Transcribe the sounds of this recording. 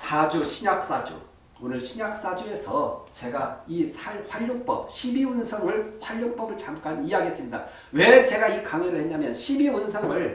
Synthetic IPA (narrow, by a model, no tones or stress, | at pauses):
sʰad͡ʑuɕʰiɲak̚s͈ad͡ʑo̰ | onɯɭɕʰiɲak̚s͈ad͡ʑue̞sʰʌt͡ɕe̞ɡaisʰahɸwaʎːoŋp͈ʌp̚ɕʰibiunsʰʌŋɯɭɸwaʎːoŋp͈ʌbɯɭt͡ɕamk͈aniɦaɡiɦes͈ɯmɲida̰ | we̞t͡ɕe̞ɡaikaŋeɾɯɭhe̞ɲamjʌnɕʰibiunsʰʌŋɯɭ